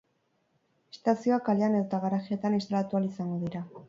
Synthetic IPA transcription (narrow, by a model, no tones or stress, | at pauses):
est̪asio̞akaleaneðot̪aɣaɾaxie̞t̪anist̪alat̪ualisaŋɡo̞ðiɾa